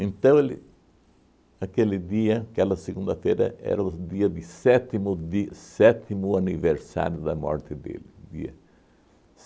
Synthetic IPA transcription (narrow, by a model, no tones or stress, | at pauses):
ẽnt̪ɐ̃w̃elɪ̰ | ɐkelɪd̪iɐkɛlɐseɡũnd̪ɐfeɾɐ̰ɛ̰ɾɐd̪iɐd̪ɪsɛt̪imʊd̪ɪsɛt̪imʊaniveɾsa̰ɾjʊd̪ɐmɔ̰ɾt̪ɪd̪ḛlɪd̪ḭɐ | s